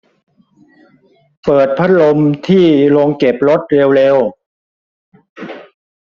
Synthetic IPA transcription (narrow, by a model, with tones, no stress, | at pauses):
pɤː˨˩t̪̚pʰa˦˥t̪̚lo˧mt̪ʰiː˥˩lo˧ŋke˨˩p̚ɾo˦˥t̪̚ɾe˧wleː˧w